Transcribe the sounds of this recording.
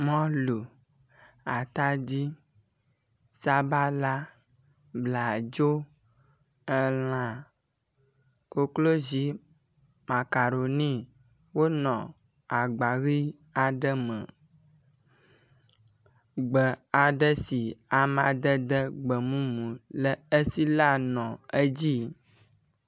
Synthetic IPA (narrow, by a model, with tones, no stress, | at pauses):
mɔ̃˦lu˨ | a˨t̪a˦d͡ʑi˦ | sa˦ba˦la˦ | bla˨d͡ʒo˦ | ə˦l̃ã˦ | ko˦klo˦zi˨˦ | ma˨ka˨ɾo˨nĩ˦ | wo˦nɔ̃˨ | a˨ɡ͡ba˨ɣi˦ | a˨ɖə˦mə̰̃˨ | ɡ͡bə˨a˨ɖə˦si˨a˨mã˨d̪ə˦d̪ə˦ɡ͡bə˨mũ˦mũ˨lə˦ə˦si˦la˦nɔ̃˨ə˦d͡ʑi˦